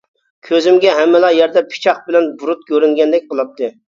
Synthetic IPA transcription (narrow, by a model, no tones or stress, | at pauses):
kʲʰøzɪmɡʲɛɦɛmːɪlˠɑjɛɾd̪ɛpʰɪ̥t͡ʃʰɑχbɪlɛnbuɾut̪̚kʲʰøɾyŋɡʲɛnd̪ɛk̚ʲqəlˠɑp̚t̪ɨ